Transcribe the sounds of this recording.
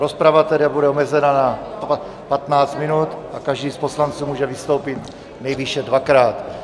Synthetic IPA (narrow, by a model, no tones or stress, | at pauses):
ɾospɾavat̪ɛɾabudɛomɛzɛnanaa | pat̪naːt͡st̪mɪnuːt̪akaʒdiːsposlant͡suːmuːʒɛvɪst̪o̞wpɪt̪ | nɛjviʃɛdvakɾaːt̪